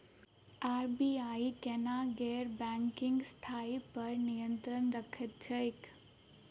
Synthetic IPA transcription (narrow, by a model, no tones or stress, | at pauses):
aːɾbiːaːikɛnaɡɛːɾbɛ̃ŋkɪ̃ŋɡst̪ʰaːipɐɾnijə̃nt̪ɾənɾəkʰet̪̚t͡ʃʰəɪk